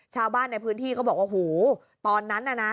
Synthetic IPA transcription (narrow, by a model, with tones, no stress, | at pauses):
t͡ɕʰaː˧wbaː˥˩nːa˧jpʰɯː˦˥nt̪ʰiː˥˩kɔː˥˩bɔː˨˩k̚waː˥˩hoː˨˩ | t̪ɔː˧nːa˦˥nːʔa˧na˦˥